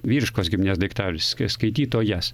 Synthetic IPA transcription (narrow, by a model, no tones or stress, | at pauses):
ʋʲiːɾʲɪʃkoːsɡʲɪmʲnʲeːsd̪ʲɐɪkt̪ɑːʋʲlʲɪsskskɐɪt̪ʲiːt̪oːjɛs